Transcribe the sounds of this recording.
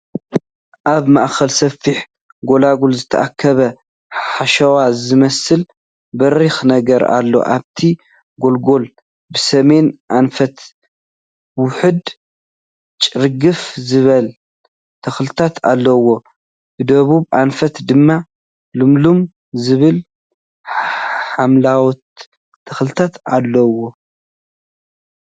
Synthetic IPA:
ʔaβmaʔxɐlsɐfiħ | ɡo̞laɡulzɨt̪ʰɐ̰ʔakʰːɐβɐ | ħaʃɐwazɨmɐsɨl | bɐɾixnɐɡɐɾa̰lːo̞̰ʔaβt̪ʰi | ɡo̞lɡo̞l | bɨsɐme̞nʔanfɐt̪ | wʊħɨd̪ | t͡ʃʼɨɾɡɨfzɨβɐl | t̪ʰɐxlɨt̪ʰat̪ʰa̰lːɐwo̞ | bɨd̪ɐβuβʔanfɐt̪d̪ɨmːa | lumlum | zɨβɨl | ħamlawɔt̪ʰː | ɐxlɨt̪ʰat̪alːɐwo̞

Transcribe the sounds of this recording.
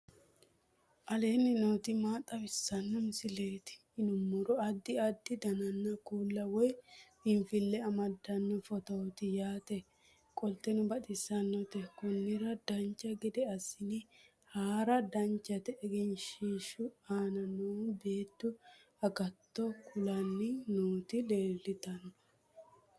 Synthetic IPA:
ʔɐle̞ːnːɪnoːt̪ɪmaːt̪ʼːɐbɪsːɐnːɔmɪsɪle̞ːt̪ɪ̥ːnʊmːʊɾɔɐd̪ːɪɐd̪ːɪd̪ɐnɐnːɐkuːlːɐwɔj | ɪnfɪlːɛɐmɐd̪ːɐnːɔfɔt̪ɔt̪ɪjaːt̪ɛ | kʼɔlt̪ːɛnʊbɐt̪ʼɪsːɐnːɔt̪ɛkʊnːɪɾɐd̪ɐnt͡ʃːɐɡɛd̪ɛɐsɪnɪ | haːɾɐd̪ɐnt͡ʃːɐt̪ɛɛɡɛnʃiːʃʊaːnɐnuːbe̞ːt̪ːʊ | ɐɡɐt̪ːɔkʰʊlɐnːɪnuːt̪ɪle̞ːlːɪt̪ɐnːɔ̥

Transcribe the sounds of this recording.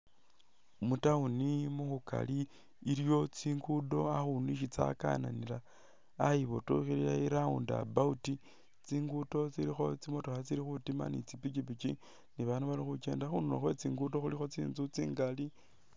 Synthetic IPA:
mutaunimuxuka̰liː | ɾjo̞t͡siːŋɡudo̞axuniʃ̬it͡sa̰ka̰na̰nilaː | jiβotuxiliaiɾaunda̰bauti | t͡siːŋɡuto̞t͡siɾixo̞t͡simotoxat͡siɾixutima̰nit͡sipit͡ʃipit͡ʃi | niβanuβalixut͡ʃe̞ːndaxunulo̰xwe̞t͡siːŋɡuto̞xulixo̞t͡siːnzut͡siːŋɡali

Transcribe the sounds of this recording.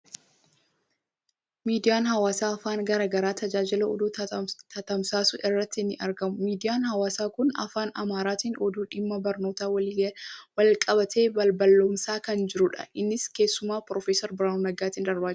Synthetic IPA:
miːd̪ɪjaːnɦɐwaːsaːɐfaːnɡɐɾaːɡɐɾaːt̪ɐd͡ʒaːd͡ʒɪlɐɔ̰d̪uːt̪ʰɐt̪ɐmsaːsʊʔɪrːɐt̪ːɪnːɪʔɐɾɡɐmʊmiːd̪ɪjaːnhɐwaːsaːkʊnɐ̰faːnɐmaːɾaːt̪iːnɔd̪uːᶑɪmːɐbɐɾno̞ːt̪aːwɐliːɡwɐlkʼɐbɐt̪ʰe̞ːbɐlbɐlːoːmsaːkɐnd͡ʒɪɾʊᶑɐ̰ʔɪnːɪske̞ːsːʊmaːpɾɔfeːsɔɾbɪɾaːnonɐɡaːt̪iːnd̪ɐɾbaː

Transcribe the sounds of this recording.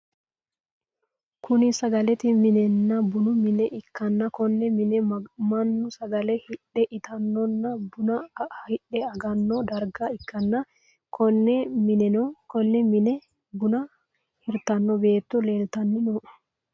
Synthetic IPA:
kʰʊnɪsɐɡɐlɛt̪ɪmɪnɛnːɐbʊnʊmɪnɛʔɪkːɐnːɐkɔnːɛmɪnɛmɐnːʊsɐɡɐlɛhɪᶑːɛʔɪt̪ʰɐnːɔnːɐbʊnɐhɪᶑːɛɐɡɐnːɔd̪ɐɾɡɐɪkːɐnːɐ | kʰɔnːɛmɪnɛnɔkɔnːɛmɪnɛ | bʊnɐ | hɪɾt̪ɐnːɔbeːt̪ːɔle̞ːlt̪ɐnːɪnɔ

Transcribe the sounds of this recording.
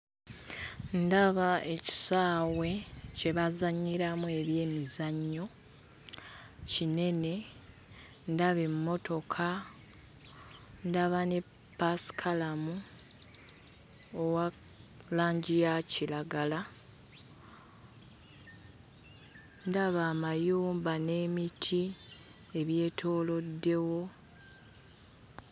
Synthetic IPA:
ndaβaeci̥saːwwe̞ce̞βazaɲːiɾamue̞βje̞ːmizaɲːo̞ | cine̞ne̞ | ndaβe̞mːo̞to̞kʰa | ndaβane̞ | pːasi̥kʰalamu | owa | laːɲɟijacilaɡala | ndaβaːmajuːmbane̞ːmitʰi | eβje̞ːtʰo̞ːlo̞dːe̞wo̞

